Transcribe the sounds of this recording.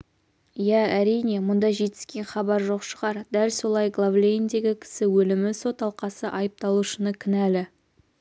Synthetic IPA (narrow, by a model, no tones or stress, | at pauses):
jææɾijne̞mʊnd̪ɑʒe̞t̪ɪ̥skʲe̞nχɑbɑɾʒo̞qʃəʁɑɾd̪ælso̞lˠɑjɡlˠavlʲejnd̪e̞ɡʲɪkʲʰɪ̥sɪwɵlɪmɪso̞t̪ɑlˠqɑsəʔɑjəp̚t̪ɑlˠuʃənəkʲʰɪnælɪ